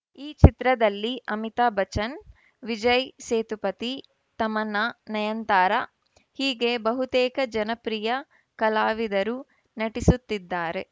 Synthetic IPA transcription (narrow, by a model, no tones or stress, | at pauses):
iːt͡ʃit̪ɾɐd̪ɐlːiʔɐmit̪aːbʱɐt͡ʃɐn | ʋid͡ʒɐjseːt̪upɐt̪i | t̪ɐmɐnɐnɐjɐnt̪aːɾɐ | hiːɡe̞bɐɦut̪eːkɐd͡ʒɐnɐpɾijɐ | kɐlaːʋid̪ɐɾu | nɐʈisut̪ːid̪ːaːɾe̞